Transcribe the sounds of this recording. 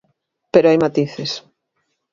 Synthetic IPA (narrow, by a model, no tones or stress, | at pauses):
peɾoajmat̪iθes